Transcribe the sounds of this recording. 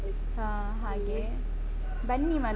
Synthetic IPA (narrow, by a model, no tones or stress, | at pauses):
aː | ɦaːɡe | bɐɳːimɐ